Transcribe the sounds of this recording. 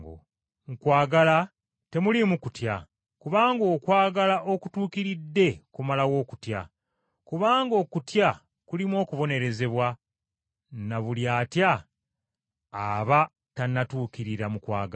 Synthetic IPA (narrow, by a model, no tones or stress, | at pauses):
o̰ | mukwaːɡala | te̞mulimukutja | kuβaːŋɡo̞ːkwaːɡalaʔo̞kutuːkiɾidːe̞kumalaɣo̞ːku̥tja̰ | kuβaːŋɡo̞ːkutja | kulimwo̞ːkuβo̞ne̞ɾe̞ze̞βwa | naβuljaːtja | βa | tanatuːkiɾiɾamukwa̰ːɡa